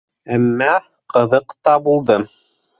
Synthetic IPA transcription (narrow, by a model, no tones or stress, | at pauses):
æmːæ | qɤ̆ðɤqt̪ɑbulˠd̪ɤm